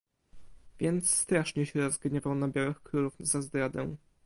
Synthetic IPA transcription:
vʲjɛnt̪sːt̪ɾaʂɲɛɕɛɾɔzɡɲɛvawnabʲjawɘxkɾuluvzazd̪ɾad̪ɛ̰w̃

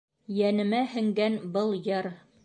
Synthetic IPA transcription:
jænɘ̆mæhɘ̆ŋɡænbɤlˠjɤɾ

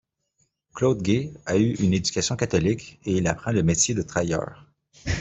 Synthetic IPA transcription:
klod̪ɡʲeayʔynedd͡zykʲasjɔ̃kat̪ɔlikʲeilapχɑ̃ləmet̪jed̪ət̪χajœ̰ːʁ

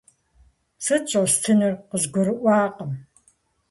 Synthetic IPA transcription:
sɨt͡ʃʼɐstʰɨnɨrqəzɡʷʊɾɨʔʷɑːqʼəm

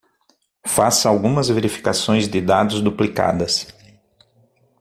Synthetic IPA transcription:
fasɐawɡũmɐzveɾifi̥kasõj̃zd̪ɪd̪ad̪ʊzd̪uplika̰d̪ɐs

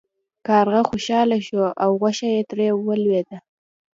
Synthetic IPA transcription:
kɑɾɣaxoʃɑlaʃoʔawɣwaʃajet̪ɾewəlwed̪a

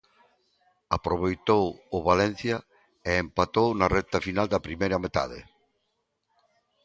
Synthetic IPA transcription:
apɾoβejt̪owʊβalɛn̟θjɐ | eempat̪ownarɛt̪ɐfinald̪ɐpɾimejɾɐmet̪a̰ðɪ̰

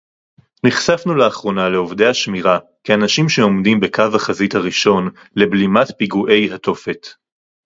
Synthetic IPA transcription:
niχsafnuleaχʁo̞naleovde̞jhaʃmiʁa | keanaʃimʃeo̞mdimbe̞kavaχazithaʁiʃo̞n | le̞blimatpiɡuʔe̞jɦat̪o̞fet

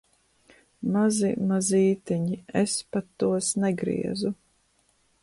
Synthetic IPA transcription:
mazḭmaziːt̪ɛɲiespat̪ːuɔsnɛɡɾḭɛzu

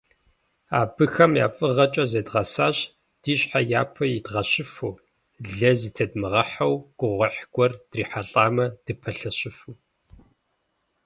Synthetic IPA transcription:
a̰ːbɨxɐmja̰ːfʼɨʁɐt͡ʃʼɐzɐdʁɐsaːɕ | d̥iːɕħajaːpʰɐjidʁɐɕɪfuː | ɮɐziːtʰɐdmɨʁɐħɐwɡ̥ʷʊʁʷɐħɡ̥ʷɔrd̥riːħaɬʼaːmɐd̥ɨpʰɐɬɐɕɪfuː

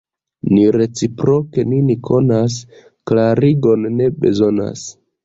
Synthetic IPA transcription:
niɾe̞t͡sipɾo̞ke̞ninikʰo̞nas̬ | klaɾiɡo̞nːe̞be̞̰zo̞na̰s

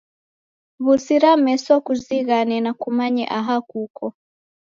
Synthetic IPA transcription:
βusiɾamɛsɔkuziɣanɛnakumaɲɛ̰ʔaɦakukɔ

